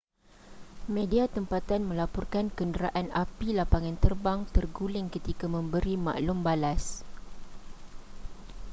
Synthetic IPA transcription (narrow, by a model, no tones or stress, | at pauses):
mẽdiat̪əmpat̪anmə̃lapɔrkankəndəɾaʔanapilapaŋãnt̪ərbaŋt̪ərɡulɪŋkət̪ikamə̃mbəɾimã̰ʔlumbalas